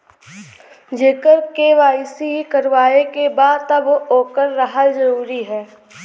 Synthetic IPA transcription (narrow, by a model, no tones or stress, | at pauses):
d͡ʒeːkəɾkeʋaːɪsiɦikəɾʋaːekebaːd̪t̪ɐbooːkəɾːɐɦəld͡ʒɐɾuːɾiɦɛː